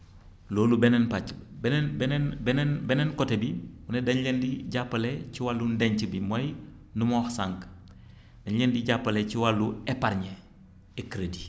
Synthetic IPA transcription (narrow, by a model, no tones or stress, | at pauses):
loːlubɛnɛnpat͡ʃbnbɛnnbɛnɛnbɛnɛnkɔtebiwunedɐnlendiɟapːalet͡ʃiwalːundeɲt͡ʃbimoj | numɔːxsaŋk | d̥ɐɲjendiɟapːalet͡ʃiwalːuɛpaɾɲe | ekɾedi